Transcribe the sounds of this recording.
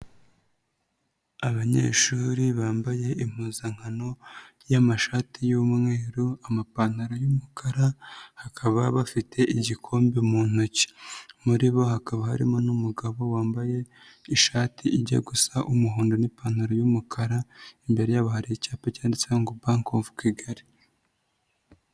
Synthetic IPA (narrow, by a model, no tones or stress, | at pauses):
aβaɲḛːʃuːɾiβaːmbaje̞im̥uzaŋ̥hano̞ | jamaʃaːtijumŋeːɾuamapan̥aɾojumukʰaɾahakʰaβaβafitʰe̞ʔiɟikʰo̞ːmbemuːn̥oci̥muɾiβo̞hakaβahaɾḭmo̞numuɡaβo̞waːmbaje̞ | iʃaːtiiɟa̰ɡusaʔumuɦoːndo̞nipaːn̥aɾojumukʰaɾaimbe̞ɾe̞jaβahaɾicaːpecaːndisaŋɡobaːŋkoːɱvu̥kiɡaɾi